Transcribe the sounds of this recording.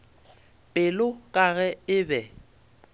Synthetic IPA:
pʼɪlʊkʼaɣɛɪbɛ

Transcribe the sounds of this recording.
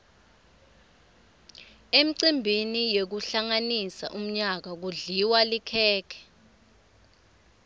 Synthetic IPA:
em̩ǀimbʱinijek̬uɬaŋanisa̰ʔum̩ɲak̬ak̬uɮiwalikʰɛːkʰɛ̥

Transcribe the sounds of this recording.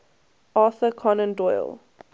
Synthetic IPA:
ɑːθəkʰɔnə̃ndɔj̰lˠ

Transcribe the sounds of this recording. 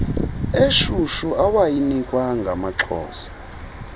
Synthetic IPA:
eʃuʃuawajinikʼwaŋɡʱamaǁʰɔ̰ːsḁ

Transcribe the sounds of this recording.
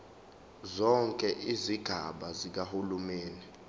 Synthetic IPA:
zɔŋkʼɛʔiziɡ̥ʱa̰ɓazik̬ahulumeːni

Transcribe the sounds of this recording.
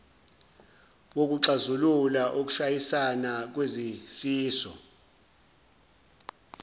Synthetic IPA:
wok̬uǀazululaʔok̬u̥ʃajisanak̬wezifiːsɔ̰

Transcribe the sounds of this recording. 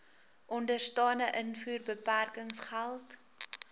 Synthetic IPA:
ʔɔndərstɑːnəʔənfuːrbəpærkəŋsχælˠt

